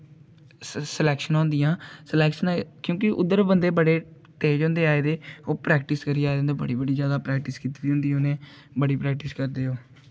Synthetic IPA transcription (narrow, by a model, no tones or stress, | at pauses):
səlɛːkʃənɔ̃ːnd̪ijãːsəlɛːkʃənkjõːkɪʔʊd̪ːəɾbənd̪eːbəɽeː | ʈeːd͡ʒõːnd̪eːaːeːd̪eːoːpɾɛːk̚ʈɪskəɾiːaːd̪ẽnd̪ebə̰ɽiːbəɽiːd͡ʒjaːd̪aːpɾɛːkʈɪskiːt̪ːd̪iːɦʊ̃nd̪iːoːnẽː | bəɽiːpɾɛːk̚ʈɪskəɾd̪eːoː